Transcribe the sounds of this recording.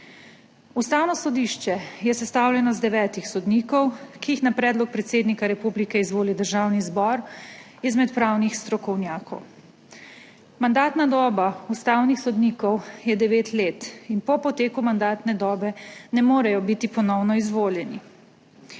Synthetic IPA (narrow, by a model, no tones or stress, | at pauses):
ust̪aːwnɔsɔd̪iʃt͡ʃɛjɛsɛst̪awljɛnɔzd̪ɛʋɛːt̪ixsɔd̪niːkɔwkiixnapɾɛːd̪lɔk̚pɾɛt̪seːd̪nikaɾɛpublikɛizʋoːlid̪əɾʒaːwnizbɔɾ | izmɛt̪pɾaːwnixst̪ɾɔkɔwnjaːkɔ̰w | mand̪aːt̪nad̪ɔːbaust̪aːwnixsɔd̪niːkɔwjɛd̪ɛʋeːt̪leːt̪inpɔpɔt̪eːkumand̪aːt̪nɛd̪ɔːbɛnɛmoːɾɛjɔbit̪ipɔnɔwnɔizʋoːljɛni